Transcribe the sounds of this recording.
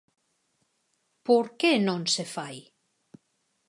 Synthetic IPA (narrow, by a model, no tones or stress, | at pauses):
puɾkenõnsefaj